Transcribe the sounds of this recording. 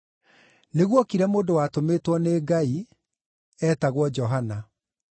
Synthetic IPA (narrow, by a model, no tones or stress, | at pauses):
neɣwɔkiɾɛmoːdowatometwɔneːɡai | ɛːtaɣwɔd͡ʑɔɦana